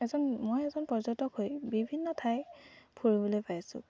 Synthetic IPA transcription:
ɛzɔnmojɛzɔnpɔzɔtɔkhojbibʱinːɔtʰajpʰuɹibɔlojpajasʊ̰̃

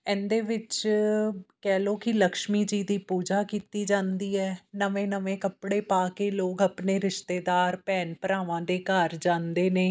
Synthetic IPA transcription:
ɛ̃ːnd̪eːʋɪt͡ʃ | kɛːloːkɪləkʃmiːd͡ʒiːd̪iːpuːd͡ʒaːkiːt̪iːd͡ʒãːnd̪iːɛːnəʋẽːnəʋẽːkəpɽeːpaːkeːloːkəpneːɾɪʃt̪eːd̪aːɾpɛːnpəɾaːʋãːd̪eːkəɾd͡ʒãːnd̪eːneː

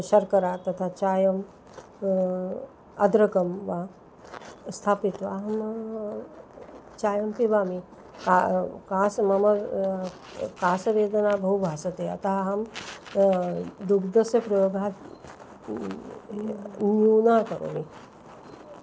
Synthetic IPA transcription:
ʃɐɾkɐɾat̪ɐt̪ʰat͡ʃaːjɐm | ɐd̪ɾɐkɐmʋa | st̪ʰaːpit̪ʋaːɦɐm | t͡ʃaːjɐmpiʋaːmi | kakaːsmɐmɐ | kaːsɐʋeːd̪ɐnaːbʱɐɦubʱaːsɐt̪eɐ̰t̪aɦɦɐm | d̪ukd̪ɐsjɐpɾɐjoːɡʱaː | njuːnaːkɐɾo̰ːʋi

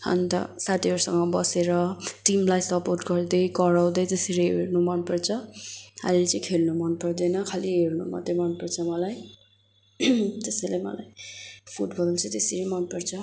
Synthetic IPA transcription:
ʌ̰nt̪ʌ̰sat̪ʰioɾsʌŋːʌbʌseɾʌʈimlajsʌporʈɡʌrd̪ʌjkʌɾawd̪ʌjt̪eseɾeɦḛrnumʌnpʌrt͡sʰʌɦa̰milet͡sʌ̃j̃kʰelnumʌnpʌrd̪ʌjnʌkʰaliɦernṵma̰t̪remʌnpʌrt͡sʰʌmʌlaj | t̪esejlejmʌ̰la̰jpʰuʈbʌlalt͡sʰʌt̪eseɾimʌnpʌrt͡sʰʌ

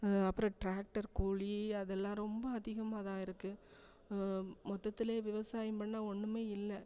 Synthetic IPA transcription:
ɐpːɯɾɐ̃ʈɾaːk̚ʈɐɾkuːɭiɐðɛlːãːɾɔmbɐːðɪɣɐmaːðãːɪɾɯkːɯ | mɔt̪ːɐt̪ːɪleːʋɪʋɐsaːjɐmpɐɳːãːɔɳːɯmeːɪlːɐ

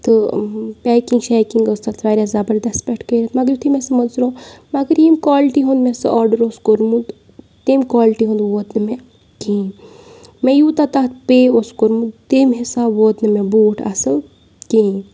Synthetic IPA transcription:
t̪ɨpɛːkiŋɡʃɛːkiŋɡəst̪at̪ʰɾaːɾʲaːzɐbəɾd̪ɐspʲeʈkəiɾɐt̪mɐɡəɾjut̪ʰimẽsɐmɐnzɾõːmɐɡəɾiːmkwaːlʈiɦõnd̪mẽsɐʔaːɾɖəɾoːskoɾmũd̪ | t̪eːmkwaːlʈiɦõːnd̪ʋoːt̪nɨme | kĩː | mẽjuːt̪at̪at̪peoskoɾmũd̪t̪eːmɦisaːbʋoːt̪nɐmẽbuːʈʰɐ̰sɐl | kĩː

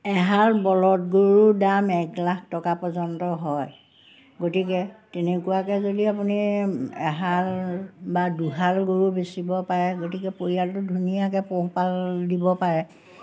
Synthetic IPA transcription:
ɛɦaɹbɔlɔt̚ɡoɹudamɛklak̚ʰtɔkapɔzɔntɔɦɔj | ɡotikɛtenekuwakɛzodiapuniɛ̰ɦalbaduɦalɡoɹubesibɔpaɹɛɡotikɛpoɹijaltʊdʱunijak̬ɛpoɦpaldibɔpaɹɛ

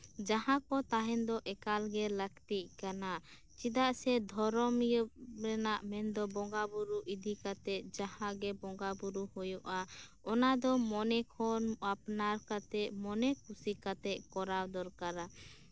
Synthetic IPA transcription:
d͡ʒaɦãkɔt̪aɦɛnd̪ɔʔɛkalɡɛləkt̪iʔkana | t͡ʃid̪aʔsɛd̪ʱɔɾɔmjəb̚ɾɛnaʔmɛnd̪ɔbɔŋɡabuɾuʔid̪ikat̪ɛʔ̚d͡ʒahãʔɡɛbɔŋɡabuɾuhujɔʔa | ɔnad̪ɔmɔnɛkʰɔnapnaɾkat̪ɛʔmɔnɛkʰusikat̪ɛʔ̚kɔɾawd̪ɔɾkaɾa

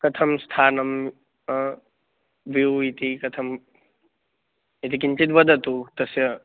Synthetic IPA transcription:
kɐt̪ʰɐmst̪ʰaːnɐm | ʋiwit̪ikɐt̪ʰɐm | it̪ikint͡ʃit̪bɐd̪ʱɐt̪ut̪ɐsjɐ

